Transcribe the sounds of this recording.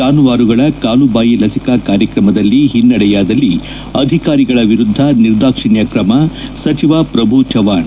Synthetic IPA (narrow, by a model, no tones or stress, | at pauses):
aːnuʋaːɾuɡɐɭɐkaːlubaːjilɐsikaːkaːɾjɐkɾɐmɐd̪ɐlːiɦinːɐɽɛjaːd̪ɐlːi | ɐd̪ʱikaːɾiɡɐɭɐʋiɾud̪ʱːɐniɾd̪aːkʂiɳjɐkɾɐmɐsɐt͡ʃiʋaːpɾɐbʱut͡ʃɐʋaːɳ